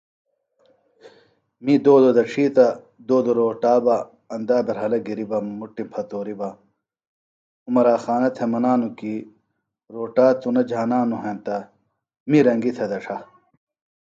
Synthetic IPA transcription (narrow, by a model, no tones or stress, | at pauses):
mid̪oːd̪od̪ɐʈ͡ʂʰiːt̪ɐ | d̪oːd̪oɾoːʈaːbɐ | ɐnd̪aːbɐɾɦɐlɐɡiɾibɐmuʈːimpʰɐt̪oːɾibɐ | umɐɾaːxaːnɐt̪ʰemɐnaːnuki | ɾoːʈaːt̪unɐd͡ʑʱaːnaːnuɦeːnt̪ɐ | miɾɐŋɡit̪ʰɐd̪ɐʂʰɐ